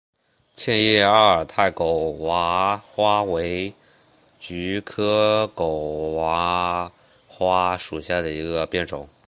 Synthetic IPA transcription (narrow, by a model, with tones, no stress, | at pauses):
t͡ɕʰjɛ˥˧njɛ˥˩a˥˩ə˞˨˩t̪ʰa˥˩ɪko˨˩ʊwa˧˥xwa˥we˧˥ɪ | t͡ɕy˧˥kʰɤ˥ko˨˩ʊwa˧˥ | xwa˥ʂu˨˩ɕja˥˩d̪ə˩i˧˥ɡɡə˧pjɛ˥˩nʈ͡ʂʊ̰˨˩˦ŋ